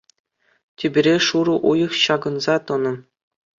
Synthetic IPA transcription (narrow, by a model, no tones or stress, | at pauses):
tʲebʲĭɾʲeʂuɾɤ̆ʔujɤ̆χɕɑɡɤ̆nzɑt̪ɤ̆nɤ̆